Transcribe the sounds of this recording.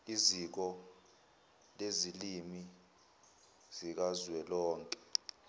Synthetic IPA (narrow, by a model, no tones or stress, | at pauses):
izik̬ɔ | lezilimi | z̥ik̬azwɛlɔːŋkʼɛ̥